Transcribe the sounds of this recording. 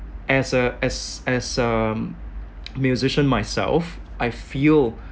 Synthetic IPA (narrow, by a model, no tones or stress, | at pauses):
ʔɛsəɛsɛsə | mjuzɪʃə̃nmaɪsɛ̰lˠf | ʔaɪfilˠ